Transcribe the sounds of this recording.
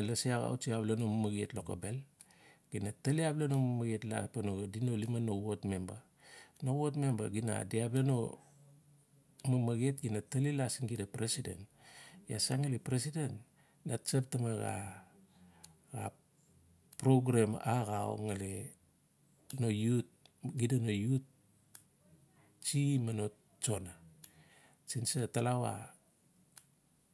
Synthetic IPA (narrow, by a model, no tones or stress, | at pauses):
alasiaɣa̰wut͡ʃiablenomamaɡietloka̰be̞l | ɡ̥inataliaplenomamaɡietla̰panoɡadinolimanowotme̞mba̰ | nowotme̞mba̰ɡina̰diableno̞̰ | mamaɡietɡinatalilasiŋɡidapɾesidḛntja̰saŋalipɾesident | nat͡ʃap̚tamaɡa̰ | ɡa̰ | pɾoɡɾemaɡao̰ŋale | no̞jut̚ɡidanojut̚ | t͡ʃimano̞t | t͡ʃo̞na | sinsatalawa̰